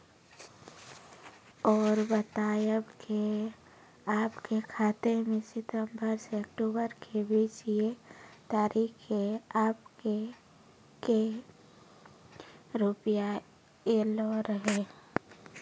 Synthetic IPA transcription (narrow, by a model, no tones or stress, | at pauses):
ɔːɾbət̪aːjəbke | aːpkekʰaːt̪emẽsɪt̪əmbəɾseəkʈuːbəɾkebiːt͡ʃjet̪aːɾʔiːkeaːpke | ke | ɾʊpja | eːloɾəɦeː